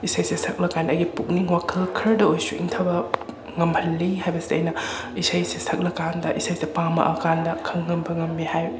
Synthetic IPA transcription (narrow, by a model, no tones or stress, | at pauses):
isajsesɐk̚lɐkandɐɡipuk̚niŋwakʰɐlkʰɐɾdɐojsuḭŋtʰɐbɐ | ŋɐmbʰɐlːiɦajbɐseɐ̰jnɐ | isajsesʰɐk̚lɐkandɐʔisajsepamɐ̰ʔɐkandɐkʰɐŋːɐmbɐŋɐmːihaj